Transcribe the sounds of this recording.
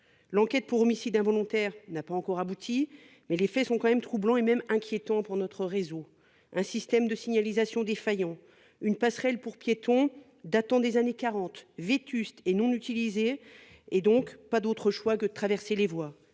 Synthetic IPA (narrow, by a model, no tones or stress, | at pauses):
lɑ̃kʲɛt̪̚puʁɔmisid̪ɛ̃vɔlɔ̃t̪ɛʁnapaɑ̃kɔʁabut̪ʰi | mɛlefɛsɔ̃kɑ̃mɛmt̪χublɑ̃emɛmɛ̃kʲjet̪ɑ̃puʁnɔt̪χəʁezo | ɛ̃sist̪ɛmd̪əsiɲalizasjɔ̃d̪efajɑ̃ | ynpasχɛlpuʁpjet̪ɔ̃ | d̪at̪ɑ̃d̪ezanekaʁɑ̃t̪vet̪yst̪enɔ̃nyt̪ilizeː | d̪ɔ̃kpad̪ot̪χəʃwakəd̪ət̪χavɛʁselevwa